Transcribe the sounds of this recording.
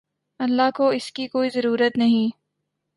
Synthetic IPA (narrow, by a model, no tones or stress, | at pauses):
ɐlːaɦkoɪskikoːizɐɾuːɾət̪nɐɦĩː